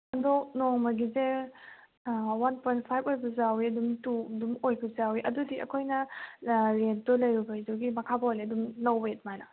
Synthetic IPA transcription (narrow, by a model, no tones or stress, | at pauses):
ɐndonoŋmɐɡize | wanpʰojnt̚pʰajbojbɐzawiɐdumtudumojbɐzawiʔɐdudiɐ̰kʰojnɐ | ɾendɔlɐjɾubɐjzuɡimɐkʰabɐleɐdumlɐwbɐet̚majna